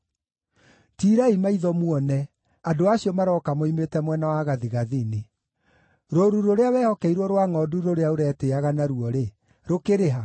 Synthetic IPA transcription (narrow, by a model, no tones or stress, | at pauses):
tiːɾaimaiðɔmwɔnɛ | adoaɕiɔmaɾɔkamoimetɛmwɛnawaɣaðiɣaðine | ɾoɾuɾoɾeawɛːhɔkɛiɾwɔɾwaŋɔduɾoɾeaoɾɛteaɣanaɾuɔɾe | ɾokeɾeɦa